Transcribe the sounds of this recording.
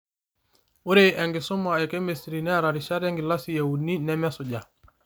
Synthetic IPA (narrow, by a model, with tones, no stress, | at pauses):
u˦ɾe˦ʔɛ˨ŋɡi˨su˦ma˨ɛ˨kɛ˦mesɾi˨nɛ˦ɾa˨ɾi˨ʃa˦ɾa˦ŋɡi˨la˦si˨ja˨wu˨ni˦nɛ˦mɛ˦su˨ɟa˨